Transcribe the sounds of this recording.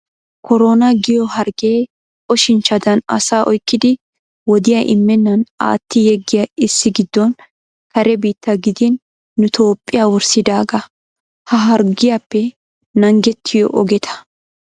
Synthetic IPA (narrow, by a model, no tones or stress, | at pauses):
kɔɾoːnɐɡɪjɔɦɐɾɡeː | ɔʃɪnt͡ʃːɐd̪ɐnɐ̰saːʔɔjkːɪd̪ɪ | wɔd̪ɪjɐʔɪmːɛnːɐna̰ːt̪ːɪjɛɡːɪjɐɪsːɪɡɪd̪ːɔn | kɐɾɛbiːt̪ːɐɡɪd̪ɪnː | ʊt̪ʰo̞ːpʼːɪjawɔɾsɪd̪aːɡɐ | hɐɦɐɾɡɪjapːɛ | nɐŋɡɛt̪ʰːɪjɔ̰ʔɔɡɛt̪ʰɐ̥